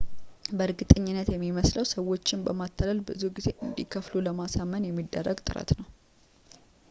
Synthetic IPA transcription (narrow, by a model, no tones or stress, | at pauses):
bəɾɡɨt̪ʼəɲːɪnːət̪jɛmːiməsləwsəwːo̞t͡ʃːɪnbəmat̪ʰːaləlbɨzuɡize̞ʔɨnd̪ikʰəfluləmasamːənjɛmːid̪ːərːəɡt̪ʼɨ̰ɾa̰t̪nəw